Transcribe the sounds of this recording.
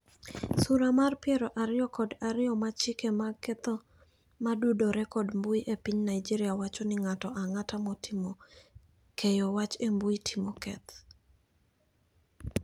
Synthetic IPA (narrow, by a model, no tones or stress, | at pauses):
suɾamarpɪɛɾɔʔaɾɪjɔkɔdaɾɪjɔmat͡ʃɪkemakɛt̪ɔ | madudoɾɛkɔdmbuiʔepiɲnajd͡ʒiɾɪjawat͡ʃɔnɪŋatɔʔaŋatamɔtimɔ | kʰɛjɔwat͡ʃembuitʰimɔkɛt̪